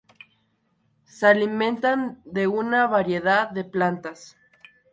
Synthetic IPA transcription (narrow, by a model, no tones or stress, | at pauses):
salimẽ̞nt̪and̪e̞unaβaɾje̞ðaððe̞plant̪as